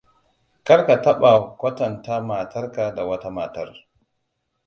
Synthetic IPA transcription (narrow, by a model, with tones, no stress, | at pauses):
kɐ˦ɽka˨tɐ˦ɓa˨kʷɐ˦tɐ˨ntaː˦maː˨tʰɐ˦rka˨da˨wɐ˦ta˦maː˨tɐ˦r